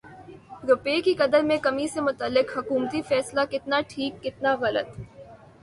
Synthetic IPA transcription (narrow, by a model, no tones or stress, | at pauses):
ɾʊpeːkikɐd̪əɾmẽkɐmisemʊt̪əlːɪkɦɐkuːmt̪ifɛːslakɪt̪naʈʰiːkːɪt̪naɣɐlə̰t̪